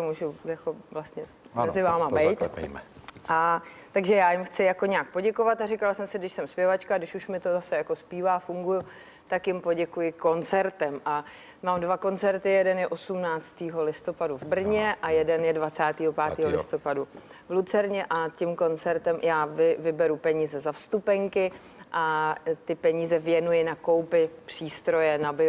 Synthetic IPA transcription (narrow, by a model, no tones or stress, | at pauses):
t̪omuːʒujako̞vlast̪ɲɛ | mɛzɪvaːmabɛjt̪mɛʔat̪aɡʒɛjaːjɪmxt͡sɪjako̞ɲɛak̚po̞ɟɛko̞vat̪aɾɪkalsɛmsɪdɪʃsɛmspjɛvat͡ʃkadɪʃuʃmɪt̪o̞zasɛjako̞spiːvaːfuŋɡujʊ | t̪akjɪmpo̞ɟɛkujɪko̞nt͡sɛɾt̪ɛmʔa | maːmdvako̞nt͡sɛɾt̪ɪjɛdɛnjɛʔo̞sumnaːt͡st̪iːɦo̞lɪst̪o̞paduvbr̩ɲɛʔajɛdɛnjɛdvat͡saːt̪iːɦopaːt̪iːɦolɪst̪o̞padu | vlut͡sɛɾɲɛʔacɪmko̞nt͡sɛɾt̪ɛmjaːvɪvɪbɛɾupɛɲiːzɛzafst̪upɛŋkɪ | ʔat̪ɪpɛɲiːzɛvjɛnujɪnako̞wpɪpr̥iːst̪ɾo̞jɛnabɪ